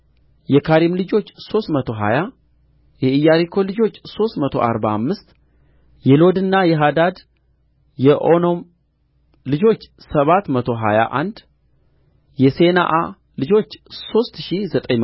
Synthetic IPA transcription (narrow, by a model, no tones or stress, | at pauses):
jɛkʰaɾimlɨd͡ʒo̞t͡ʃːso̞st̪mət̪ʰo̞ɦa̰ja | jɛɨjːaɾikʰo̞lɨd͡ʒo̞t͡ʃːso̞st̪mət̪ʰo̞̰ʔa̰ɾba̰mːɨst̪ | jɛlo̞d̪ɨnːajɛɦad̪ad̪ | jɛʔono̞m | lɨd͡ʒo̞t͡ʃː | səβat̪mət̪ʰo̞ɦa̰ja̰ʔa̰nd̪ | jɛse̞na̰ʔa | lɨd͡ʒo̞t͡ʃːso̞st̪ʃizət̪ʼəɲ